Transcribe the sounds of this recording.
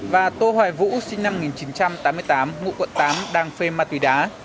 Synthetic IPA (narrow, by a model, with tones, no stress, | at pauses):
vaː˨˩t̪o˧hwaː˨˩jvṵ˧˥si˧ŋna˧m˧ŋi˨˩nt͡ɕi˨˦nt͡ɕa˧mt̪aː˨˦mːɨ˧əjt̪aː˨˦mŋṵ˧˨kwə̰˧˨nt̪aː˨˦mɗaː˧˩ŋfe˧maː˧t̪wi˧˩ɗaː˨˦